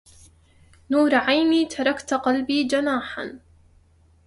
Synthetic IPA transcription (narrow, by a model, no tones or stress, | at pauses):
nuːɾʕajmiːt̪ʰɑɾˤɑkt̪qɑlbiːd͡ʒanaːħa̰n